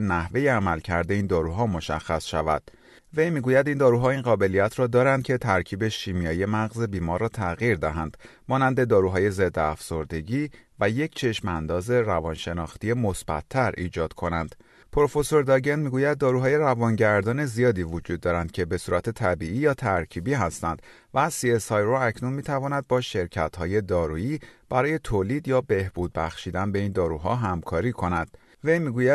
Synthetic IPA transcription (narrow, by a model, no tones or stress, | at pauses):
næhve̞jeæmælcʰæɾd̪e̞iːnd̪ɒːɾuːɦɒːmo̞ʃæ̰xːæsʃævæ̰d̪̥̚ | ve̞jmiːɡuːjæd̪ind̪ɒːɾuːɦɒːiːnɢɒːbe̞lijæt̪ʰɾɒːd̪ɒːɾænd̪̚cʰe̞t̪ʰæɾcʰiːbe̞ʃiːmijɒːjiemæɣze̞biːmɒːɾɒːt̪ʰæɣiːɾd̪æɦænd̪̥ | mɒːnænd̪e̞d̪ɒːɾuːɦɒːje̞zed̪ːeæfso̞ɾd̪e̞ɟiːvæje̞cʰt͡ʃʰe̞ʃmænd̪ɒːze̞ɾævɒnʃe̞nɒːxt̪ije̞mo̞sb̥æ̰t̪ʰːæɾḭːd͡ʒɒːd̪̥kʰo̞nænd̪̥ | pʰoɾofo̞soɾd̪ɒɟenmiːɡuːjæd̪̚ːɒːɾuːɦɒːje̞rævɒnɟæɾd̪ɒːne̞zijɒːd̪iːvod͡ʒuːd̪̚ːɒːɾænd̪̥cʰe̞be̞suːɾæt̪ʰe̞t̪ʰæbiiːjɒːt̪ʰæɾcʰiːbiːɦæst̪ænd̪̥ | væsiesɒjroæcʰnunmiːt̪ʰævɒːnæd̪̚bɒːʃe̞ɾcʰæt̪hɒːje̞d̪ɒːɾuiːb̥æɾɒːje̞t̪ʰoːliːd̪jɒːbe̞hbuːd̪̚bæxʃiːd̪ænbe̞iːnd̪ɒːɾuɦɒ̰ːɦæmkʰɒːɾiːkʰo̞nænd̪̥ | ve̞jmiːɡuːjæ